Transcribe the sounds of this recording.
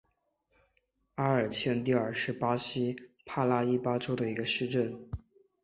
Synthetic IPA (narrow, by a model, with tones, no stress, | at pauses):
a˥ə˞˨˩t͡ɕʰjɛ˥˧nt̪i˥˧ə˞˥˩ʂɻ̩˥˩pa˥ɕi˥pʰa˥˧la˥i˥pa˥ʈ͡ʂo˥ʊd̪ə˨i˧˥ɡə˧ʂɻ̩˥˧ʈ͡ʂə˥˩n